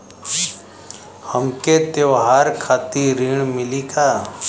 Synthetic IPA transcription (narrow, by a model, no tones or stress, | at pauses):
həmket̪eʋɦaːɾkʰaːt̪iɾiːɳmɪliːkaː